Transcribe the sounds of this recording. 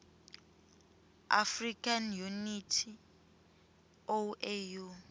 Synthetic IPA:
a̰frikanjunitʰi | oʔeju

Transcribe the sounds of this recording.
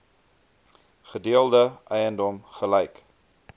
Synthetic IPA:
χədiəlˠdəʔəjəndɔmχəlɛjk

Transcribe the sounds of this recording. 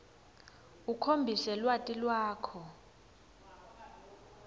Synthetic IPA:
ukʰombʱisɛlwatʼilwaːkʰɔ

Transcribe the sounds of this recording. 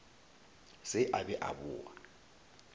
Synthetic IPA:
sɪʔabɛʔa̰bʊ̰ːwa̰

